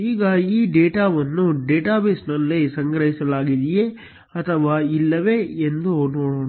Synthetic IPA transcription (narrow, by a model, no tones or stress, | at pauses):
iːɡɐiːɖeːʈaːʋɐnːuɖeːʈaːbesnɐlːisɐŋɡɾɐɦisɐlaːɡid̪ije | ɐt̪ʰɐʋaːilːɐʋeend̪unoːɽoː